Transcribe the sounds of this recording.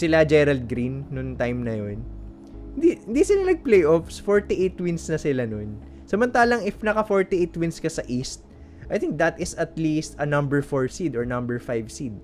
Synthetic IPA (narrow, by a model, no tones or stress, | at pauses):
sɪlad͡ʒɛɾɐld̪̚ɡɾinːʊŋt̪ajmnɐjon | hɪnd̪ihɪnd̪isɪlanɐɡ̚plejʔofsfoɹt̪iʔejt̪wɪnsnɐsɪlanon | sɐmɐnt̪aːlɐŋɪfnɐkɐfoɹt̪iʔejt̪wɪ̃nskɐsɐʔist̪̚ | ʔɐjθɪ̃ŋk̚d̪ɐt̪ɪsɐt̪list̪ɐnɐ̃mbɛɹfoɹsid̪ɔɹnɐ̃mbɛɹfajvsid̪̚